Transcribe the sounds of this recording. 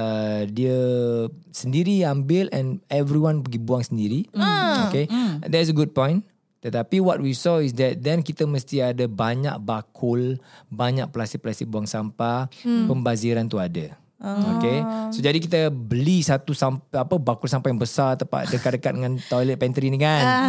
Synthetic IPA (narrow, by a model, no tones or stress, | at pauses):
ədiə | səndiɾiambɪlɛ̃nɛvɾiwãnbəɡibuaŋsəndiɾioked̪ɛtsəɡud̚pɔ̃j̃n | t̪ət̪apiwɔt̪̚wisɔis̬dɛt̪̚dɛ̃nkit̪əməst̪iadəbaɲa̰k̚bakʰʊlbaɲak̚pəlast̪ipəlast̪ik̚buaŋsampapəmbaziɾant̪uadə | okesod͡ʒadikit̪əbəlisat̪usampapəbakʊlsampajaŋbəsaɾt̪apa̰dəkat̚dəkat̪̚dəŋãnt̪ɔjlət̪̚pɛnt̪ɾinikan